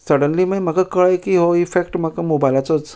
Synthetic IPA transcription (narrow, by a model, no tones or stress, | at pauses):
səɽənlimajm̤akakəɭajkiɦoifekʈm̤akamobajlat͡sɔt͡s